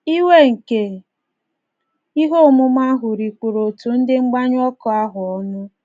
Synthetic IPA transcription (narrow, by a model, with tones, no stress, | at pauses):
i˦we˦ŋ̩˨ke˨ | i˦ɦo˦mʊ˦m˦a˦ɦʊ˨ɾi˨kʷu˨ɾo˨tu˨n̩˦dɪ˦ŋ͡m̩˦ɡ͡ba˦ɲʊ˦ɔ˦kɔ˨a˦ɦʊ˨ɔ˦nʊ˦